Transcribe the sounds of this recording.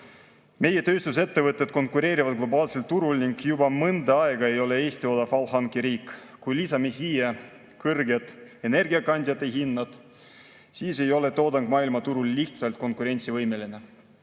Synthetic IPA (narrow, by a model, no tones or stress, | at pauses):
me̞je̞t̪ø̞ːst̪use̞t̪ːe̞vɤt̪ːˑet̪̚ko̞nkuɾe̞ːɾivɑd̪̚ɡ̥lo̞bɑːlse̞lt̪ːuɾulniŋɡ̥jubɑmɤnd̪eɑeɡ̥ɑe̞jo̞le̞e̞ːsʲt̪io̞d̪ɑfɑwhɑŋkiɾiːkːkujlisɑmesiːje | kɤrɡe̞d̪̥e̞ne̞rɡiɑkɑnʲd̪̥ʲjɑt̪ːˑeɦinːɑd̪̥ | siːse̞jo̞le̞t̪o̞ːd̪ɑŋɡ̥mɑːilmɑt̪uɾulːiht̪sɑlt̪̚ko̞nkuɾe̞nʲt̪sivɤjme̞line